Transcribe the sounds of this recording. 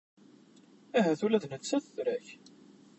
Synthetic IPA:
æɦæθulæðnət͡sːæθəθɾæç

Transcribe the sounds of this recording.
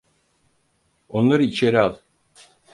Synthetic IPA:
onlˠaɾɯit͡ʃʰeɾiɑlˠ

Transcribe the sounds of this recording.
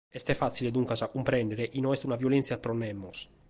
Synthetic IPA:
ɛst̪ɛfːat̪sːiled̪uŋkasakːumpɾɛnd̪eɾeʔinɔɛst̪unavjolɛnt̪sjapɾɔnːɛmːos

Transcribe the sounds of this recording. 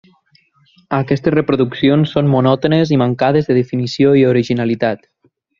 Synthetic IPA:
akɛst̪esrepɾuðuksionsːonmunɔt̪onezimaŋkað̞ezðeðefinisioioɾiʒinalit̪at̪

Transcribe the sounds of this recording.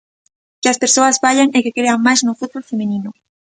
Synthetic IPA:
keaspeɾsoazbaʎaŋekekɾeamaznofut̪̚βolfemenino

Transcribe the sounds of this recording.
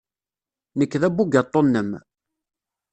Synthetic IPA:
nəkːðæbuɡɑt̪ˤːonːəm

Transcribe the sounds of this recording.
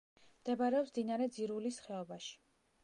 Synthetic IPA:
md̪̥ɛbaɾɛɔpsd̪inaɾɛd̪ziɾulisχɛɔbaʃi̥

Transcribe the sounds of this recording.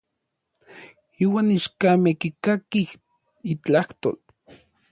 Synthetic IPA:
iːwaːniʃkamehkikakih | it͡ɬaht̪o̰ːl

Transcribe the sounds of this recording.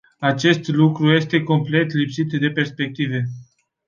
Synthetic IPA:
at͡ʃe̞st̪lukɾuje̞st̪e̞ko̞mple̞t̪lipsit̪d̪e̞pe̞rspe̞k̚t̪ive̞

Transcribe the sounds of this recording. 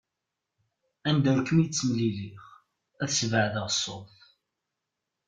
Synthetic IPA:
ænd̪æɾkːəmjət͡sːəmliliχ | æθsvəʕðəʁsˤːo̰θ

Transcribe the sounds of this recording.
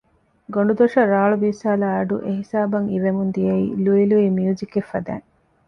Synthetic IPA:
ɡoɳɖud̪oʃɐɾaːɭubiːsaːlaːɖṵʔeɦisaːbɐŋiʋemund̪ijɐḭːluiluiːmiuzikefːɐd̪æ̰ːŋ

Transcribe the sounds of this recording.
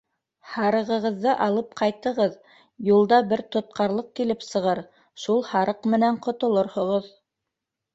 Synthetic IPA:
hɑɾɤ̆ʁɤ̆ʁɤ̆ðːɤʔɑlˠɤp̚qʰɑjt̪ɤ̆ʁɤð | julˠd̪ɑbɘɾt̪ŏt̪̚qʰɑɾlˠɤq̚kilɘpsɤ̆ʁɤɾ | ʃulˠhɑɾɤqmɘ̆næɴqŏt̪ŏlˠoɾhŏʁɤð

